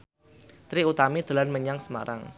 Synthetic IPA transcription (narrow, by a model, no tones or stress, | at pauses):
t̪ɾiut̪amid̪̥o̤lanməɲaŋsəma̰ɾa̰ŋ